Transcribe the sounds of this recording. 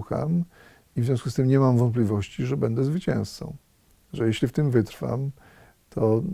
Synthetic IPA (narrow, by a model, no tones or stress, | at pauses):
xa̰m | ivzʲjɔ̃skust̪ɘmɲɛmamvɔnt̪̚pʲlʲivɔɕt͡ɕiʐɛbɛnd̪ɛzvɘt͡ɕɛ̰̃w̃st̪sɔ̰̃w̃ | ʐɛjeɕlʲift̪ɘmvɘt̪ɾfa̰m | t̪ʰɔ